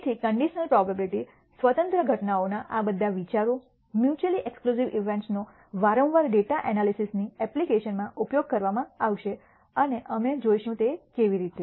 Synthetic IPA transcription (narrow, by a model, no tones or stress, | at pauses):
t̪ʰikəɳɖiʃənəlpɾɔbabiliʈi | sʋət̪ə̃nt̪ɾəɡʱəʈnaonaʔabəd̪ʱːaʋit͡ʃaɾo | mjut͡ʃəliʔekskluziʋʔiʋẽɳʈsno | ʋaɾə̃wʋaɾɖeʈaʔɛnalisisniɛplikeʃənmãʔupjoɡ̚kəɾʋamãaʋʃe | əneʔəmed͡ʒoiʃũt̪ekeʋiɾit̪e